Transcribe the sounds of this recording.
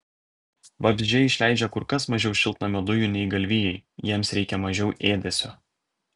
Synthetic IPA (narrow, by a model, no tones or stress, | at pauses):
ʋɐbʲzʲd͡ʒʲɛɪʃʲlʲæˑɪd͡ʒʲɛkʊɾkɐsmɐʒʲɛʊʃʲɪlˠt̪nɐmʲɛd̪ʊjunʲɛɪɡɐlʲʋʲɪjɛɪjiɛmsɾʲɛɪkʲɛmɐʒʲɛʊʔeːd̪ʲɛsʲo